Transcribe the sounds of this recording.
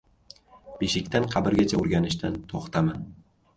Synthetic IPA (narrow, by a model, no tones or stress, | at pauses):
beʃɪkʲt̪anqʰɑbɪɾɡʲat͡ʃʰaʊɾɡʲanɪʃt̪ant̪ʰoχt̪ʰaman